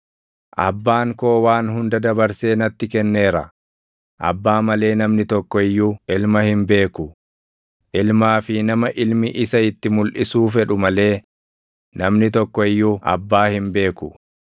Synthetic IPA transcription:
ʔɐbːaːŋko̞ːwaːnɦʊnd̪ɐd̪ɐbɐɾse̞ːnɐt̪ːɪkɛnːe̞ːɾɐ̰ | ʔɐ̰bːaːmɐle̞ːnɐmnɪt̪ɔkːɔɪjːuʔɪlmɐhɪmbe̞ːkʊ | ʔɪlmaːfɪnɐmɐʔɪlmɪʔɪsɐɪt̪ːɪmʊlʔɪsuːfɛᶑʊmɐle̞ː | nɐmnɪt̪ɔkːɔɪjːuʔɐ̰bːaːhɪmbe̞ːkʊ

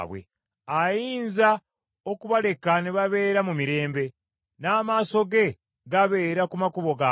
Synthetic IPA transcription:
βwḛ | ajiːnza | o̞kuβale̞kaneβaβe̞ːɾamumiɾe̞ːmbe̞ | naːmaːso̞ɡe̞ | ɡaβe̞ːɾakumakuβo̞ɡa

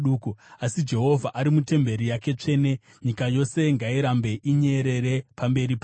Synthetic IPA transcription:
ɗuːkuasid͡ʒe̞ɦo̞vʱaʔaɾimute̞mbe̞ɾijake̞t͡ʂe̞ːne̞ | ɲikajo̞se̞ŋɡaiɾambe̞ʔiɲe̞ɾe̞ɾe̞pambe̞ɾipa

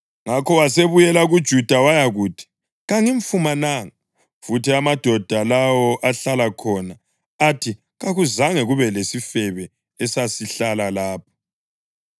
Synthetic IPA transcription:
ŋakʰɔwaseβujɛlaɣud̥ʒ̥ʱud̥ʱawajaɣuːtʰi̥ | ɣaŋiɱfumanaŋa | futiamad̥ʱɔd̥ʱalawɔʔaɬalakʰɔna | atʰi | ɣaɣuzaŋɛɣuβɛlesifɛβɛ | ɛsasiɬalalaːp̚ʰɔ̥

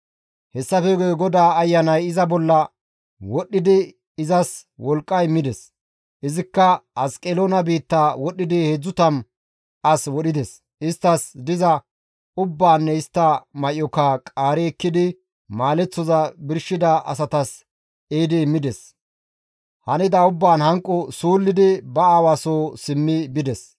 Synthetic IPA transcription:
hɛsːɐfɛɡɔɡɔd̪aːɐjːɐnɐjɪzɐbɔlːɐ | wɔɗːɪd̪ɪ | ɪzɐswɔlkʼːɐjmɪd̪ɛs | ʔɪzɪkːɐɐskʼɛlonɐbiːt̪ːaːwɔɗːɪd̪ɪhed͡zːʊt̪ɐm | ʔɐswɔɗɪd̪ɛs | ɪst̪ːɐsd̪ɪzɐ | ʊbːaːnːɛɪst̪ːɐmɐʔɔkakʼaːɾɛɛkːɪd̪ɪ | maːlɛt͡sːɔzɐbɪɾʃɪd̪ɐɐ̰s̬ɐt̪ɐs | eːd̪ɪːmːɪd̪ɛs | hɐnɪd̪ɐʊbːaːnhɐŋkʼːɔsuːlːɪd̪ɪbɐaːwaːsoːsɪmːɪbɪd̪ɛs

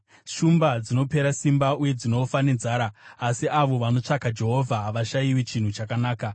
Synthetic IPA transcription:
ʃumbad͡zino̞pe̞ɾasimbauje̞d͡zino̞fane̞nzaːɾaːsiʔaʋo̞ʋano̞t͡ʂakad͡ʒe̞ɦo̞vʱaɦʋaʃajiwit͡ʃin̤ut͡ʃakanaːka

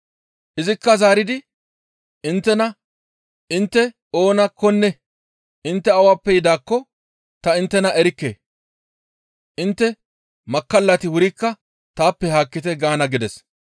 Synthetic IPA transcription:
ʔɪzɪkːɐzaːɾɪd̪ɪ | ɪnt̪ːɛnɐ | ɪnt̪ːɛ | o̞ːnɐkːɔnːɛ | ɪnt̪ːɛɐwaːpːɛjɪd̪aːkːɔ | t̪ɐɪnt̪ːɛnɐʔɛɾɪkːḛː | ʔɪnt̪ːɛ | mɐkːɐlːɐt̪ɪwʊɾɪkːɐ | t̪aːpːɛhaːkːɪt̪ɛɡaːnɐɡɪd̪ɛs

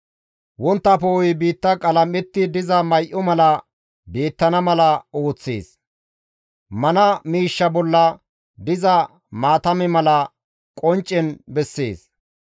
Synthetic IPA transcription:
wɔnt̪ːɐpojɪbiːt̪ːɐkʼɐlɐmːɛt̪ːɪd̪ɪzɐmɐjʔɔmɐlɐ | beːt̪ːɐnɐmɐlɐo̞ːt͡sːḛːs | mɐnɐmiːʃːɐbɔlːɐ | d̪ɪzɐ | maːt̪ɐmɪmɐlɐ | kʼɔnt͡ʃʼːɛnbɛsːḛːs

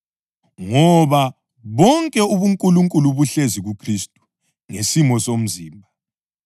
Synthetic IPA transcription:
ŋɔβa | βɔŋkʼɛuβuŋkʼuluŋkʼuluβuɬeziɣukʰristʼu̥ | ŋesimɔsom̩ziːmbʱa

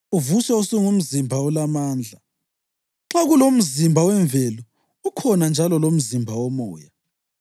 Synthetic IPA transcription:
uvuswɛusiŋum̩zimbʱaulamaːnd͡ɮʱa | ǁaɣulom̩zimbʱawɛɱvelu | ukʰɔnand͡ʒʱalɔlom̩zimbʱawɔmɔ̰ːja

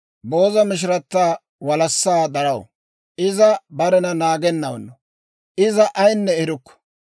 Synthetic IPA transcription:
bo̞ːzɐmɪʃ̬ɪɾɐt̪ːaː | wɐlɐsːaːd̪ɐɾɐw | ʔɪzɐbɐɾɛnɐnaːɡɛnːɐw̰nːɔ | ʔɪzɐʔɐjnːɛɛɾʊkːɔ̥

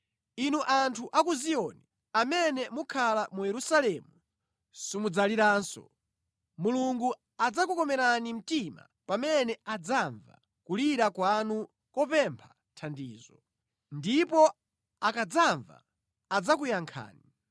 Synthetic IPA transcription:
inuʔantʰuʔakuzijɔni | amɛnɛmukʰalamujɛɾusalɛmu | simud͡zaliɾaːnsɔ̰ | muluŋɡu | ad͡zakukɔmɛɾanim̩tima̰ | pamɛnɛad͡zaɱva̰ | kuliɾakwanu | kɔpɛmpʰḁ | tʰandiːzɔ | ndipɔ | akad͡zaɱva̰ː | d͡zakujaŋkʰa̰ːni

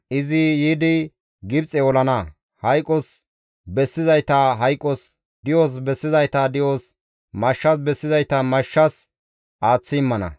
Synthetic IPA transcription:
ʔɪzɪjiːd̪ɪ | ɡɪb̚t͡sʼɛɔlɐnɐ | hɐjkʼːɔs | bɛsːɪzɐjt̪ɐɦɐjkʼːɔs | d̪ɪjoːs̬bɛsːɪzɐjt̪ɐd̪ɪjoːs | mɐʃːɐs̬bɛsːɪzɐjt̪ɐmɐʃːɐs | ʔaːt͡sːɪɪmːɐnɐ̰

